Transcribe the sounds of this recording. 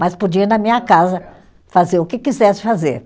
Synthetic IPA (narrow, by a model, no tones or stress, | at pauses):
maspod͡ʒiɐnɐmĩɲɐkazɐ | fazeɾʊkɪkizɛsɪ̥fazeɾ